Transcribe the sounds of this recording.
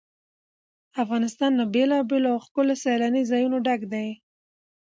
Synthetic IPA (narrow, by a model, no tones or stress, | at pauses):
afɣɑnɪst̪ɑnːabelɑbeloawxkəlosalanizɑjunoɖaɡd̪aj